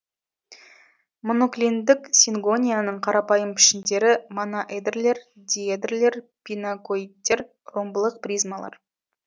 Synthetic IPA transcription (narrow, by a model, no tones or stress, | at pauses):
mo̞noklʲind̪ɪksʲiŋɡonʲijanəɴqʰɑɾɑpɑjəmpʰɪ̥ʃɪnd̪e̞ɾɪmonaʔed̪rle̞ɾ | d̪ʲied̪rle̞ɾ | pʲinakoit̚t̪ʲːe̞ɾ | ro̞mbəlˠəq̚prʲijzmalˠɑ̰ɾ